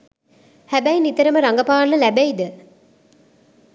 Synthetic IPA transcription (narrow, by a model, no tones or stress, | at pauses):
hæbæjnit̪əɾəməɾaŋɡɐpaːlːəlæbejd̪ə